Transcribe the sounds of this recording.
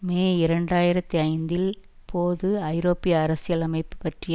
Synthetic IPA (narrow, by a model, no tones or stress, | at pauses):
meːɪɾɐɳɖaːjɪɾɐt̪ːiɐɪnd̪ɪlpʰoːðɯɐɪɾoːpːɪjɐːɾɐsɪjɐlɐmɐɪpːɯ̥pːɐʈrɪj